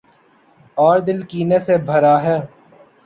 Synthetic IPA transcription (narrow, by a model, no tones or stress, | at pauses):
ɔːɾd̪ɪlkiːnesebʱəɾaːɦɛː